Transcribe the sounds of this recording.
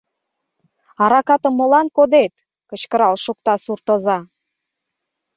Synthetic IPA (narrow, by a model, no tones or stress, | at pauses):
ɑɾɑkɑt̪ə̆mːolɑnkod̪et̪ | kə̆t͡ɕkəɾɑlʃuk̚t̪ɑsurt̪ozɑ